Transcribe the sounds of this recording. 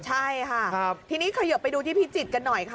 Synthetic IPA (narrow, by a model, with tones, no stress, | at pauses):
t͡ɕʰa˥˩jkʰa˥˩˦t̪ʰiː˧niː˦˥kʰa˧jo˨˩pa˧jduː˧t̪ʰiː˥˩pʰiː˦˥t͡ɕi˨˩t̪̚ka˧nːɔ˨˩jkʰa˥˩